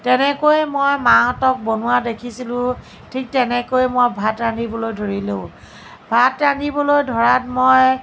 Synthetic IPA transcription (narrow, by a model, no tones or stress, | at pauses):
tɛnɛkojmojmatɔk̚bonuwadekʰisilʊ̃ | tʰik̚tɛnɛkojmojbʱatɹanibɔlojdʱoɹilo̰ʊ̃ | bʱatɹanibɔlojdʱɔɹat̚moj